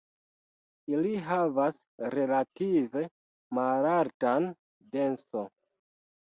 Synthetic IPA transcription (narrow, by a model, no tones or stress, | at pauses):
iliɦavas | ɾe̞lative̞ | malaltan | de̞nso